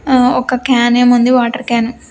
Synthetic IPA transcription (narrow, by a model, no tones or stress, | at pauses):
ɔkɐkaːneːmund̪iʋaːʈɐɾkaːnu